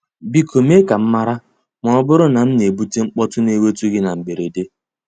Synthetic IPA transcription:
bi˦kʰo˨me˦ka˨m̩˦ma˦ɾa˦ | mɔ˨˦bʊ˦ɾʊ˦na˨m̩˦ne˨bu˦te˦ŋ͡m̩˦k͡pɔ˦tʊ˦ne˦we˦tu˦ɡɪ˦na˨ŋ͡m̩˨ɡ͡be˨ɾe˨de˦

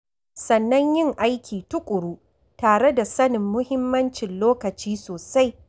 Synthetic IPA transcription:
sɐ˨nːɐ˦ɲjɪ˦ŋʔa˦jkʲʰiː˨tʊ˦kʷʼʊ˨ɽuː˦ | taː˨ɽe˦da˨sɐ˦nɪ˨mːʊ˦hɪ˦mːɐ˦nt͡ʃɪ˨nloː˦kɐ˨t͡ʃiː˦soː˨sa˦j

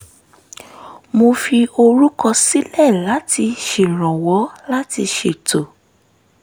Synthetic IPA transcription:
mo˧fi˧o˧ɾu˦kɔ˧si˦lɛ˦˨la˨˦ti˧ʃe˨ɾ̃ɔ̃˨wɔ˨˦la˦ti˧ʃe˨to˨

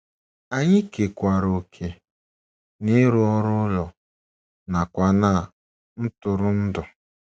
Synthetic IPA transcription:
a˦ɲɪ˦ke˨kʷa˨ɾo˨kʰe˨ | nɪ˦ɾʊ˦ɔ˦ɾʊ˦lɔ˨ | na˨kʷa˨na˦˨ | n̩˦tʊ˨ɾʊ˦n̩˦dʊ˨

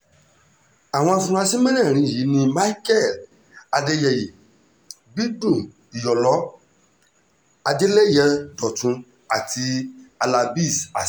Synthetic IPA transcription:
a˨w̃ɔ̃˧a˧sũ˧ɾ̃a˧sĩ˦mɛ̃˦nɛ̃˦˨ɾ̃ĩ˧˨ji˨˦nĩ˧ma˦i˦kɛ˦˨l | a˧de˧jɛ˨ji˨ | bi˦dũ˦˨ | i˨jɔ˨lɔ˨˦ | a˧de˦lɛ˦jɛ˧dɔ˨tũ˧˦ | a˨tʰi˧a˧la˧bi˦˨sa˨

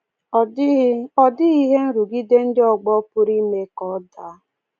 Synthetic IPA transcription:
ɔ˦dɪ˦i˦ɦe˦n̩˦ɾu˨ɡi˦de˦n̩˦dɪ˦ɔ˨ɡ͡bɔ˦pʊ˦ɾi˦me˨kɔ˨˦da˨˦

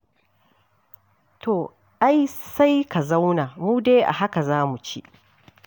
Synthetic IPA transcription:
tʰo˨ | ʔa˦jsa˦jka˨za˦wnaː˨muː˦deː˦ʔa̰˨ɦa˦ka˨zaː˦mu˨t͡ʃḭ˦ʔ

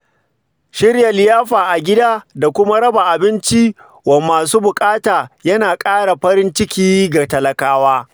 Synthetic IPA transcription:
ʃɪ˦rjɐ˨lɪ˨jaː˦ɸaː˨ʔa˨ɡʲɪ˦daː˦da˨kʷʊ˦ma˦ɽɐ˦ba˨ʔa˨bɪ˦nt͡ʃi˦ | wɐ˨mːaː˨suː˦bʊ˨kʼaː˦taː˨jɐ˦naː˨kʼaː˦ɽa˨ɸɐ˦ɾɪ˦nt͡ʃɪ˦kʲiː˦ɡa˨tɐ˨lɐ˨kaː˦waː˦

